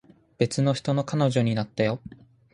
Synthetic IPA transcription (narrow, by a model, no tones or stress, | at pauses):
b̥e̞t͡sɨno̞çi̥t̪o̞no̞kano̞ʑo̞ɲ̟inat̪ːajo̞